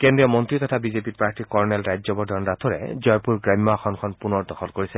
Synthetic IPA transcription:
kendɹijɔmɔntɹit̪ɔtʰabizepiɹpaɹtikɔɹnɛlajzɔbɔdʱɔnɹat̪ʰɔɹɛ̰zɔjpuɹɡɹamːaxʰɔnkʰɔnpunɔɹdɔxɔlkoɹisɛ

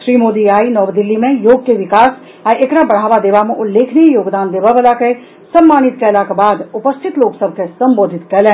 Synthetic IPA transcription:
ʃɾiːmoːd̪iaːinɔːʋd̪ɪlːimẽjoːɡ̚keʋɪkaːs | aʔekɾabɐɽ̤̃aːʋad̪eːʋamẽʔʊlːeːkʰneijoːɡd̪aːnd̪eːʋaʋəlake | sɐmːaːɽ̃ɪt̪̚kɛlakebaːd̪ʊpəst̪ʰɪt̪loːksəb̚ʱkesɐ̃mboːd̪ʱɪt̪kɐɾlɛ̃ː

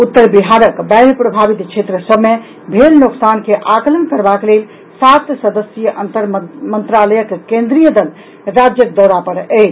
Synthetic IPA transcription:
ut̪ːəɾbiɦaɾəkbaɪɾpɾobʱabit̪t͡ʃʰet̪ɾəsəbme | bʱelnoksankeʔakələnkəɾbaklel | sat̪səd̪əsjəʔənt̪əɾmənt̪ɾaləjəkːkẽnd̪ɾijəd̪əl | ɾad͡ʒjək̚d̪ɔwɾapəɾɛt͡ʃʰ

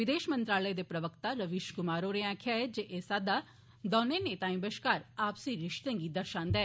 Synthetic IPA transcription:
ʋɪd̪eːʃmənt̪ɾaːləeːd̪eːpɾəʋəkt̪aːɾəʋiʃkʊmaːɾoːɾeãːkʰaːed͡ʒeʔeːsaːd̪aː | d̪ɔːnẽːneːt̪ãːĩːbəʃkaːɾaːpsĩːɾɪʃt̪ẽːɡiːd̪əɾʃãːnd̪ɛː

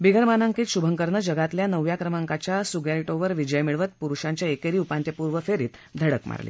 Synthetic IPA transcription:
biɡʱəɾmanəŋkiːt̪ɕubʱəŋkəɾnəd͡ʑəɡat̪ljanəʋːjakɾəmaŋkat͡ɕjasuɡjalʈoʋəɾʋid͡ʑəjmiɭʋət̪̚puɾuɕãɲt͡ɕjaekeɾiːupant̪jəpuɾʋəfeɾiːt̪d̪ʱəɽəkma̰ɾlḭː

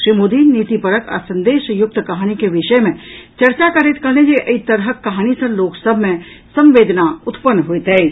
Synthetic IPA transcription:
ʃɾimoːd̪iːniːt̪ipəɾəkə̰sɐ̃nd̪eːʃjʊk̚t̪kɐɦaːñikeʋɪʃəjmẽt͡ʃɐɾt͡ʃakɐɾɪt̪kɐlnẽd͡ʒeʔəit̪əɾɦəkːɐɦaːñisɐ̃ɾloːksəbʱmẽ | sɐ̃mʋeːd̪naʊt̪pənːɦʊet̪ɦɛː

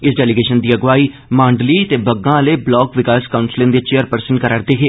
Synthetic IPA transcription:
ɪsɖɛːlɪɡeːʃənd̪iːəɡʋaːiː | mãːɳɖliːt̪eːbəɡːãːleːblɔːkʋɪkaːskaʊɳsɪlẽnd̪eːt͡ʃeːəɾpəɾsə̃ɳʈkəɾəɾd̪eːɦeː

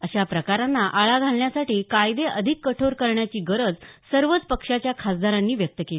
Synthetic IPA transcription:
əɕapɾəkaɾanːaʔaɭaɡʱalɳjasaʈiːkajd̪eʔəd̪ʱikːəʈʰoɾkəɾɳjat͡ɕiːɡəɾəd͡zsəɾʋət͡spəkʂat͡ɕjakʰasd̪aɾanːiːʋjək̚t̪əkeli

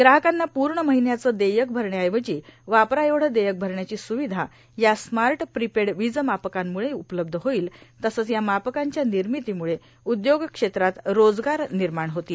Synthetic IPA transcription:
ɡɾaɦəkanːapuɾɳəməɦinjat͡səd̪ejək̚bʱəɾɳjajʋət͡ɕiːʋapɾajeʋɽ̤əd̪ejək̚bʱəɾɳjat͡ɕiːsuʋid̪ʱa | jasmaɾʈpɾipeɽʋid͡zəmapəkamːuɭeupələb̚d̪ʱəɦoiːlt̪əsəːt͡sjamapəkaɲt͡ɕjaniɾmit̪iːmuɭe | ud̪joɡkʂet̪ɾat̪ɾod͡zɡaɾniɾmaɳ̃ɦot̪i

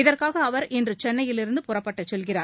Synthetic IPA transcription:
ɪðɐrkaːɣɐːʋɐɾɛndrɯt͡ʃɛnːɐjɪlɪɾɯnd̪ɯpʊrɐpːɐʈːɐt͡ʃːɔlɣɪraːɾ

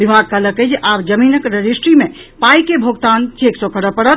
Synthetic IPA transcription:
bibʱaɡ̚kələkəjd͡ʒʔabd͡ʒəminəkɾəd͡ʒisʈɾime | pajkebʱoɡt̪ant͡ʃʰeksokəɽəpəɽət̪

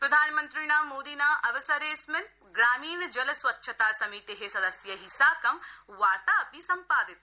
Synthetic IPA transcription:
pɾɐd̪ʱaːnmɐnt̪ɾinaːmoːd̪iːnaːʔɐʋɐsɐɾeːsmɪl | ɡɾaːmiːnɐd͡ʒɐlɐsʋɐtːʃʰɐt̪aːsɐmiːt̪eɦesɐd̪ɐsjɐɦisaːkɐmʋaːɾt̪aːɐpisɐmpaːd̪it̪̚

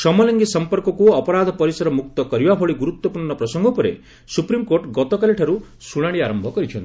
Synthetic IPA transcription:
sɔmɔlɔŋɡisɔmpɔɾkɔkuɔpɔɾad̪ʱɔpɔɾisɔɾɔmuk̚t̪ɔkɔɾibabʱɔɭiɡuɾut̪wɔpuɾɳɔpɾɔsɔŋɡɔpɔɾḛ | supɾimkoɾʈɡɔt̪ɔkaleʈʰaɾu | suɽ̃aɽ̃iaɾɔmbʱɔkɔɾit͡ʃʰɔnt̪i

